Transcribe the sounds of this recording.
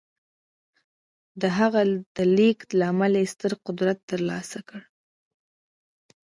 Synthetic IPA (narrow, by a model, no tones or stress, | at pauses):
d̪əɦaɣad̪̥əliklaamalajest̪əɾqʊd̪ɾat̪ːəɾlɑsakəɽ